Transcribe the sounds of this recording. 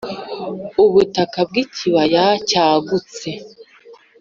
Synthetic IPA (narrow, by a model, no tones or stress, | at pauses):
uβutakab̚ɡiciβajacaːɡut͡se